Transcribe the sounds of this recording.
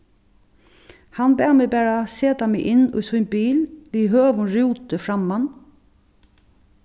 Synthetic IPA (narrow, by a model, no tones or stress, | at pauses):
hanbæːmɛbæːɹaseːt̪amɛɪʔɪnːʊ̰ːsunbiːlʋiɦøːʋʊnɾuːt̪əfɾamːan